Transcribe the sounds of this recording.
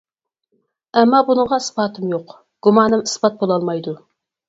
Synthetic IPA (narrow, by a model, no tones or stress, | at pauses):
ɛmːɑbunəɴʁɑɨsbɑːt̪ʰɪmjoq | ɡ̥umɑːnɨmɨsbɑt̪̚bolˠɑlˠmɑjd̪u